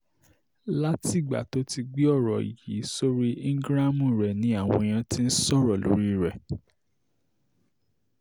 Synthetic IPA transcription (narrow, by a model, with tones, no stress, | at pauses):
la˦ti˦˨ɡ͡ba̰˨to˦ti˧ɡ͡bi˦ɔ˦˨ɾɔ˨ḭ˨jḭ˨˦so˦ɾi˦ĩ˦ŋ̩˦ɡɾa˦mũ˦˨ɾɛ˨nĩ˨˦a˦˨w̃ɔ̃˧j̃ã˧tĩ˦n̩˦sɔ˦˨ɾɔ˨lo̰˨˦ɾi˦˨ɾɛ˨